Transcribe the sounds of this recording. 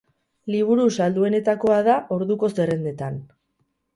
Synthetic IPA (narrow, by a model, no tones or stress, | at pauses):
liβ̞uɾusald̪ue̞ne̞t̪ako̞aðaʔo̞ɾðuko̞se̞re̞nd̪e̞t̪an